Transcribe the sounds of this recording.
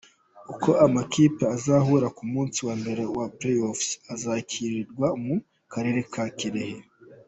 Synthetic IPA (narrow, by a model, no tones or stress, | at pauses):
uko̞ʔamakiːpeazaɦuːɾakumuːnsiwaːmbe̞ɾe̞wapleofsazacʰiɾiɾɡwamu | kaɾe̞ɾekʰaciɾehe